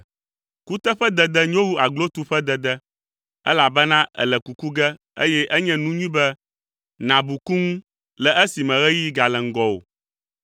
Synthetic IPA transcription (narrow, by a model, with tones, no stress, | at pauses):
ku˦t̪ɛ˦ɸɛ˦d̪ɛ˨d̪ɛ˦ɲ˦õ˦wu˦a˨ɡlo˦t̪u˦ɸɛ˦d̪ɛ˨d̪ɛ˦ | ɛ̰˦la˨bɛ˦nã˦ʔɛ̰˨lɛ˨ku˨ku˦ɡɛ˦ | ḛ˦jɛ˦ʔɛ˦ɲɛ̃˦nũ˦ɲĩ˦bɛ˦ | nã˨bu˨ku˦ŋũ˦ | lɛ˨ʔɛ˦si˨mɛ̃˨ɣɛ˦ji˦ɡa˨lɛ˨ŋ̩˦ɡɔ˨o̰˨